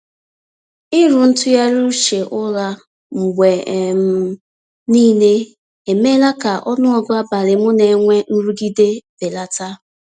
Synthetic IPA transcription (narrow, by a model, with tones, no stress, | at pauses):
ɪ˦ɾʊ˨n̩˦tʊ˦ja˦ɾu˦ʃe˨ʔʊ˦ɾa˦ | m̩˨ɡʷe˨m̩˦ | niː˦ne˦ | e˨me˦la˦ka˨ʔɔ˦nʊ˦ɔ˦ɡʊ˦a˦ba˨ɾɪ˨mʊ˦ne˨˦ŋʷe˦n̩˦ɾu˦ɡi˦de˦b̥e˨la˦ta˦